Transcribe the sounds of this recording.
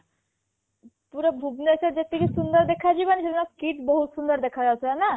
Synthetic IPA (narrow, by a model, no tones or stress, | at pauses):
puɾɔbʱubnesəɾd͡ʒet̪ːikisund̪əɾd̪ekʰad͡ʒibanised̪naskiʈbɔɦut̪sund̪əɾd̪ekʰad͡ʒasʰaana